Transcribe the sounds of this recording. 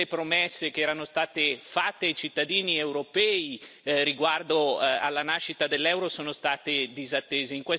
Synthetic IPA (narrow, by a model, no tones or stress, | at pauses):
epɾomɛsːekeɛːɾanost̪aːt̪efat̪ːeajt͡ʃit̪ːad̪iːniewɾopɛːiriɡward̪oa̰lːanaʃːit̪ad̪elːɛwɾosoːnost̪aːt̪ed̪izat̪ːeːzeiŋkwe